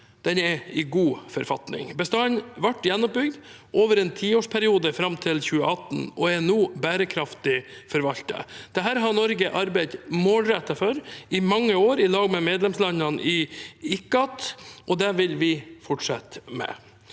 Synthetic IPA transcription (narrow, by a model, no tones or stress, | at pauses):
d̪̥ɛnɛɪɡuːfɔɾfɑ̰t̪nɪ̰ŋbəst̪ɑnʋɑʈːjɛnːɔp̚bʏɡd̪ | ʔoːʋəɾɛnt̪ʰiːoːʂpʰæɾɪuːd̪əfɾɑmt̪ʰɪlçʉːəɑt̪ːn̩ɔɛnoːbæːɾəkʰɾɑft̪ɪfɔɾʋɑlt̪ə̰d̪̥ɛɦæːɾɦɑnɔɾɡəʔɑɾbæɪt̪moːlɾɛt̪ːɑfœɾɪmɑŋːəoːɾɪlɑːɡmɛmeːd̪lɛmslɑnːɑnʔɪɪkːɑt̪ʔɔd̪ɛʋɪlʋɪfɔʈʂɑt̪mɛ̰